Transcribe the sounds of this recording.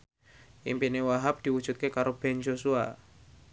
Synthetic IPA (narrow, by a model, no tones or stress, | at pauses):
ʔimpinewaɦap̚d̪̥iwud̥ʒ̥ṳt̪̚kekaɾob̥ɛnd͡ʒosua